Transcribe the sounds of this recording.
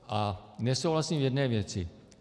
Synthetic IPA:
anɛsoːɦlasĩʋjɛdnɛʋjɛt͡sʰi

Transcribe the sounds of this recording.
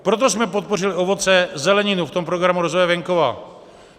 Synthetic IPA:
pɾo̞t̪o̞smɛpo̞t̪̚po̞rɪlɪo̞vo̞t͡sɛzɛlɛɲɪnuft̪o̞mpɾoɡɾamuɾozvojɛvɛŋko̞va̰ː

